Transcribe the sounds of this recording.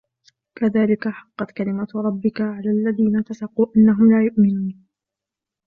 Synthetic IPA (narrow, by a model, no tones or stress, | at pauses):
kaðaːlɪkaħɑqːɑt̪kalɪmaɾˤɑbːɪkaʕalaːlːaðiːnat̪asɑquːʔanːaɦʊmlaːjʊʔmɪnuːn